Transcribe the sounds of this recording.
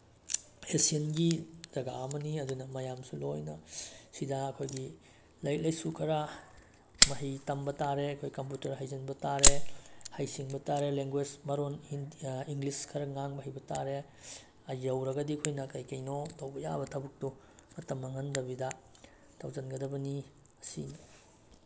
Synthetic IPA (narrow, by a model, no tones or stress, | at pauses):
esienɡizɐɡaɐmɐniɐdunɐmɐjamsulojnɐsidɐɐkʰojɡi | lɐjlɐjsukʰɐɾɐ | mɐɦijtɐmbɐtaɾeɐkʰojkɐmputɐɾɦajzɐnbɐtaɾehɐjsiŋbɐtaɾeleŋɡwed͡ʒmɐɾoniiŋɡliskʰɐɾɐŋaŋbɐɦijbɐtaɾe | ɐjɐwɾɐɡɐdikʰojnɐkɐjkɐjnotɐwbɐja̰bɐtʰɐbuk̚tu | mɐtɐmɐŋɐndɐbidɐ | tʰɐwzɐnɡɐdɐbɐni | ɐsḭn